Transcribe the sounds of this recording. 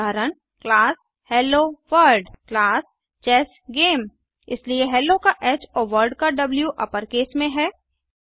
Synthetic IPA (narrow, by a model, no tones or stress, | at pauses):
aːɾəɳ | klaːs | hɛːlːoːʋəɾɖklaːs | t͡ʃɛːs | ɡeːm | ɪslieɦɛːlːokaʔɛːt͡ʃoːʋəɾɖkaɖɐbljuʔɐpəɾkeːsmẽɦɛː